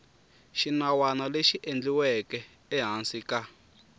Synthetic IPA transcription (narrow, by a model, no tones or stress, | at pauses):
ʃinawanaleʃiʔend͡ɮiwɛkɛː | ɦansika